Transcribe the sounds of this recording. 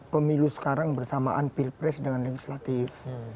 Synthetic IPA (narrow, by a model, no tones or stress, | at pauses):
pəmilusə̥kaɾaŋbərsamaʔanpilpɾɛsdəŋanleɡislat̪if